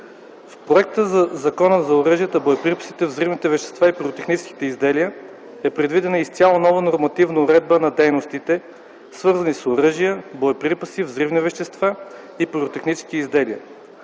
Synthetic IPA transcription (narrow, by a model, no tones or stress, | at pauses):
fpɾoɛk̚t̪əzɐzɐkɔnəzɐʊɾɤʒijət̪əbojɛpɾipə̥sit̪ɛvzɾivnit̪ɛvɛʃt̪ɛ̥st̪vaipuɾot̪ɛxnit͡ʃski̥t̪ɛizd̪ɛlijə | ɛpɾɛd̪vid̪ɛnəist̪sʲalˠonɔvənoɾmɐt̪ivnəʊɾɛd̪̚bənɐd̪ɛjnost̪it̪ɛ | svɤɾzənisoɾɤʒijəboɛpɾipəsivzɾivnivɛʃt̪ɛst̪va | ipuɾot̪ɛxnit͡ʃɛ̥skiizd̪ɛliə